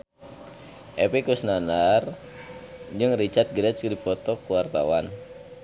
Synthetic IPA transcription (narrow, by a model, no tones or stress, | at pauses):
ʔɛpikusnanar | d͡ʒɨŋrit͡ʃat̪̚ɡɾɛskdipɔt̪ɔkuwart̪a̰wan